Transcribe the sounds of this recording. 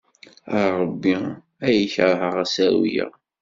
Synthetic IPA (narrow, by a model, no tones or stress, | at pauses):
əɾɾˤəbːi | æjəçɾɦəʁæsæwijə̰